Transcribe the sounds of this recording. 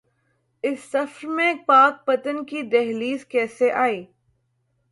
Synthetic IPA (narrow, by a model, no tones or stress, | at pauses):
ɪsːɐfɾmẽpaːk̚pɐt̪ənkid̪ɛɦliːskɛːseʔaːiː